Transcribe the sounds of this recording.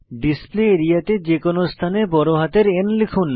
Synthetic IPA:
ɖispleeɾijat̪ed͡ʑekonost̪ʰanebɔɾoɦat̪eɾenlikʰun

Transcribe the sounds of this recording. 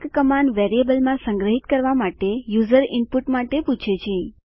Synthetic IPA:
kkəmanʋɛɾiebəlmãsə̃ŋɡɾəɦit̪kəɾʋamaʈejuzəɾɪmpuʈmaʈeput͡ʃʰet͡ʃʰẽ

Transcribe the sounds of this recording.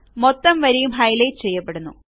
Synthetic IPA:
mot̪ːɐmʋɐɾejumɦɐjlet͡ɕe̞jːɐpːe̞ɽunːṵ

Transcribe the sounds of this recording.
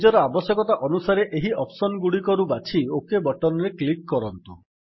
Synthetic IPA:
d͡ʒɔɾɔabɔsjɔkɔt̪aʔɔnusaɾeʔeɦiɔpʰsɔnɔɡuɽikɔɾubat͡ʃʰiokebɔʈɔnɔɾeklikːɔɾɔnt̪ṵ

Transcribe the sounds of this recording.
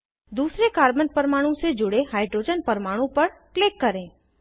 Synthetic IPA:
d̪uːsɾekaːɾbənpəɾmaːɽ̃ũsed͡ʒʊɽehaːɪɖɾoːd͡ʒənpəɾmaːɽ̃õpɐɾklɪkːɐɾẽː

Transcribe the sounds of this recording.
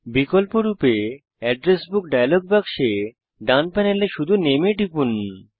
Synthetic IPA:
bikolpoɾupe | ɛɖɾesbukɖajaloɡ̚bakʃe | ɖanpɛneleʃud̪ʱunemeʈipun

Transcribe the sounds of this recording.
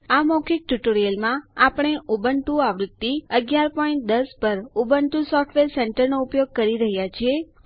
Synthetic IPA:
amokʰik̚ʈuʈoɾijəlmãapəɳ̃eʔubəɳʈuaʋɾut̪ːiəɡjaɾpɔĩɳʈ̚d̪əspəɾubəɳʈusɔfʈʰʋeɾseɳʈəɾnoupjoɡ̚kəɾiɾəɦjat͡ʃʰie

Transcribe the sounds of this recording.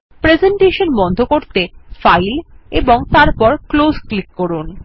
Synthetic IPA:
pɾezeɳʈeʃonbɔnd̪ʱokoɾt̪efajleboŋt̪aɾpɔɾklozklikːɔɾun

